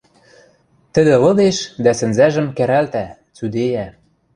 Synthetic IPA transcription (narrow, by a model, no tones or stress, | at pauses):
t̪ɘ̆d̪ɘ̆lɤ̆d̪eʃd̪æsɘ̆nzæʒɘ̆mkæɾælt̪æ | t͡syd̪ejæ